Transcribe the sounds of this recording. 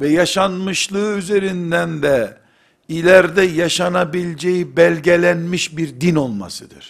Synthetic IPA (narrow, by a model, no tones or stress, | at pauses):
vɛjaʃanmɯʃlˠɯɯyze̞ɾind̪ænd̪ɛ | ilʲæɾd̪ɛjaʃanabilʲd͡ʒejibælʲɟelʲænmiʃbiɾd̪ino̞lˠma̰sɯd̪ɯ̰ɾ̥